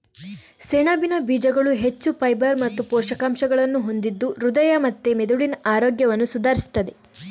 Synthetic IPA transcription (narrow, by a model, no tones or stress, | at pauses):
seɳɐbinɐbiːd͡ʒɐɡɐɭuɦe̞t͡ʃːupɐjbɐɾmɐt̪ːupɔːʃɐkaːmʃɐɡɐɭɐnːuɦo̞nd̪id̪ːuɾud̪ɐjɐmɐt̪ːemed̪uɭinɐʔaːɾoːɡjɐʋɐnːusud̪ʱaːɾisi̥t̪ːɐd̪e